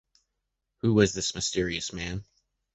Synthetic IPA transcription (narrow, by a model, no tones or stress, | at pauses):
huwʌzðɪsmɨstɪɹiɨsmæ̃n